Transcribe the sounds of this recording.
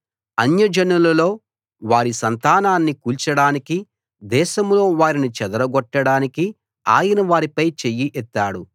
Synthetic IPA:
ɐnjɐd͡ʒɐnulɐlo̞ː | ʋaːɾisɐnt̪aːnaːnːikuːlt͡ʃɐɽaːniki | d̪ɛːʃɐmlo̞ːʋaːɾinit͡ʃɛd̪ɐɾɐɡɔʈːɐɽaːniki | a̰ːjɐnɐʋaːɾipɐjt͡ʃejːiʔɛt̪ːaːɽu

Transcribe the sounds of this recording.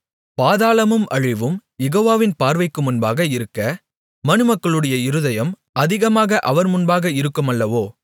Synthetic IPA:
paːðaːlɐmɯmʔɐɻɪʋɯmjɛɣoːʋaːʋɪnpaːɾʋɐɪkːɯmʊnbaːɣɐɪɾɯkːɐ | mɐnɯmɐkːɐɭɯɽɐjɐɪɾɯðɐjɐm | ʔɐðɪɣɐmaːɣɐʔɐʋɐɾmʊnbaːɣɐɪɾɯkːɯmɐlːɐʋoː

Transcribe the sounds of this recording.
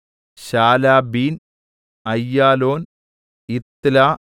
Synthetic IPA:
ɕaːlaːbiːn | ɐjːaːloːn | it̪laː

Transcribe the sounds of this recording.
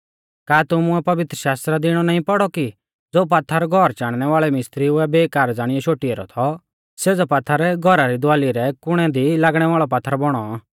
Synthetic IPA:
kaːt̪ʊmʊɛpɐʋɪt̪ɾəʃaːst̪ɾad̪ɪɽ̃ɔnaːĩpɔɽɔki | d͡zoːp̬aːt̪ʰːaɾɡʱɔɾt͡ʃaːɽ̃ñɛʋaːɭɛmɪst̪ɾiʊɛbeːkaːɾd͡zaːɽ̃ɪjɔʃoːʈiɛɾɔ̰t̪ʰɔ | seːd͡zɔpat̪ʰːaɾɛɡʱɔɾaɾid̪aːliɾɛkʊɽ̃ɛd̪ilaːɡɽ̃ɛʋaːɭɔpat̪ʰːɾbɔɽ̃ɔa

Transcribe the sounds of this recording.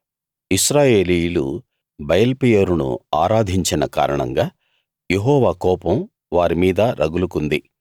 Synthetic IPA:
isɾaːje̞ːlijulu | bɐjɐlpijɐɾunṵaːɾaːd̪ʱiɲt͡ʃinɐka̰ːɾɐɳɐ̰ŋɡaː | jeɦɔːʋaːkɔːpɐm | ʋaːɾimiːd̪ɐɾʔɐɡulukund̪i

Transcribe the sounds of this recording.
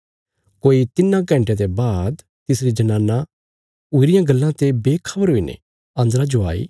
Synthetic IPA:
koːit̪ɪnːãɡɛ̃ɳʈet̪ebaːd̪ | t̪ɪsɾid͡ʒɐnãːnːa | ʊɾɪjãɡɐlːãt̪ebeːkʰɐbəɾɦoːinḛ | ɐ̃nd̪ɾad͡ʒoa̰ːḭː

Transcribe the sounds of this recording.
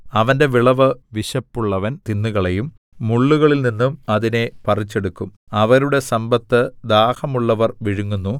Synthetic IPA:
ɐʋɐnde̞ʋiɭɐʋɨʋiɕɐpːuɭːɐʋɐnt̪inːuɣɐɭejumː | uɭːuɣɐɭilninːumɐðine̞pɐrit͡ɕːe̞ɽukːum | ɐʋɐɾuɽe̞sɐmbɐt̪ːɨd̪aːhɐmuɭːɐʋɐrʋiɻuŋːunːu

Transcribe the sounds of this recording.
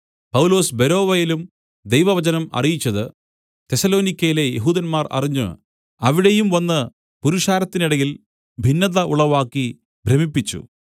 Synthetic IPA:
pɐwulo̞ːsbe̞ɾo̞ːʋɐjilum | d̪ejʋɐʋɐd͡ʑɐnɐmɐ̰rijit͡ɕːɐðɨ | t̪e̞sɐlo̞ːnikʲːɐjile̞jeɦuːd̪ɐnmaːrɐ̰riɲːṵ | ɐʋiɽe̞jumʋɐnːɨ | puɾuʂaːɾɐt̪ːiniɽɐɣil | bʱinːɐðɐʔuɭɐʋaːkːi | bʱremipːit͡ɕːṵ

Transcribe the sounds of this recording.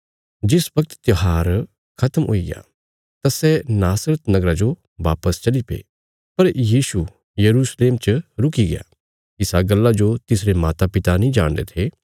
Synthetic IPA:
d͡ʒɪsbɐk̚t̪t̪joɦaːɾ | kʰɐt̪əmɦo̰ːiɡja̰ | t̪asɛnaːsɾət̪nɐɡɾad͡ʒo | ʋaːpəst͡ʃɐlipḛː | pɐɾjiːsu | jɐɾusleːmt͡ʃəɾʊkiɡɪja̰ | ɪsaɡɐlːad͡ʒot̪ɪsɾemaːt̪apɪt̪anĩd͡ʒa̰ːɽ̃d̪ḛt̪ʰeː

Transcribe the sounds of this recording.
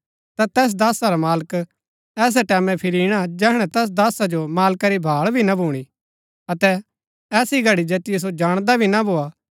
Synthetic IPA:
t̪at̪ɛːs̬d̪aːsaɾamaːlək | ɛːs̬ɛʈɛːmɛ̃pʰɪɾiɪɽ̃ad͡ʒɛːɦɽ̃ɛ̃t̪ɛːs̬d̪aːsad͡ʒomaːlkaɾibʱaːɭbʱinabʱuːɽ̃i | ɐt̪ɛ | ɛːsiɡʱɐɽid͡ʒɐt̪ɪjɛs̬od͡ʒaːɽ̃d̪abʱinabʱoːa

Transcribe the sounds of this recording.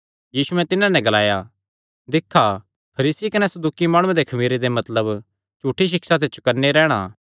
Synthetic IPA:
jiːsuɛ̃t̪ɪnãnɛ̃ɡɐlaːja | d̪ɪkʰːa | pʰɐɾiːsikɐnɛsɐd̪uːkimaːɽ̃uẽd̪ekʰɐmiːɾed̪emɐt̪ləb | t͡ʃuːʈʰːiʃ̬ɪksat̪̬et͡ʃʰokɐɾneɾɛːɽ̃a̰

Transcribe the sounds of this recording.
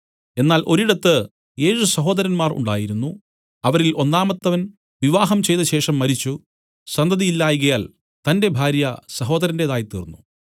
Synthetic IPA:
e̞nːaːlʔo̞ɾiɽɐt̪ːɨ | je̞ːʂusɐɦo̞ːd̪ɐɾɐnmaːrṵɳɖaːjiɾunːu | ɐʋɐɾilʔo̞nːaːmɐt̪ːɐʋɐn | ʋiʋaːɦɐmt͡ɕe̞jt̪ɐɕe̞ːʂɐmːɐɾit͡ɕːu | sɐnd̪ʱɐðijilːaːjiɣɐjaːl | t̪ɐnde̞bʱaːɾjɐsɐɦo̞ːd̪ɐɾɐndeðaːjt̪ːḭːrnːu

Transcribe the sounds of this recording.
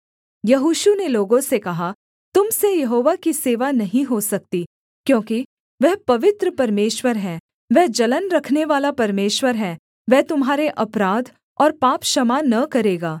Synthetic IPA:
jɐɦuːʃuneloːɡõsekɐɦa | t̪ʊmsejɐɦoːʋakiseːʋanɐɦĩɦosɐk̚t̪i | kjõːki | ʋɛɦpɐʋɪt̪ɾəpɐɾmeːʃwəɾɦɛ̃ː | ʋɛɦd͡ʒɐlənɾɐkʰneʋaːlapɐɾmeːʃwəɾɦɛ̃ː | ʋɛɦt̪ʊmɦaːɾeʔɐpɾaːd̪ʱ | ɔːɾpaːpʃɐmanɐkɐɾeːɡaː

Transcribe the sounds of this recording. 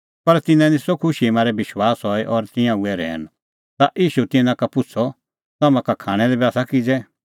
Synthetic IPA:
pɐɾt̪ɪnɛ̃nĩsɔkʰʊʃiemaːɾɛbɪʃwaːsɦɔɛʔɔɾt̪ɪ̃jãuɛɾɛ̰ːn | t̪aʔiːʃut̪ɪnãkapʊt͡sʰɔ | t̪aːmãkakʰaːɽ̃ɛlɛbaːsakɪd͡zɛ

